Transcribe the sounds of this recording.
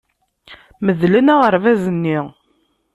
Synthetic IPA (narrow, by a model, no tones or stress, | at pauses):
məðlənæʁəɾvæzənːiʁ